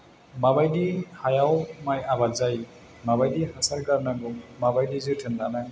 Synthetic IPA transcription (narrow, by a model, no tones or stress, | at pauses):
mabajdihajawmajabazaj | mabajdihasaɾɡaɾnaɡummabajdizɯtʰɯndanaj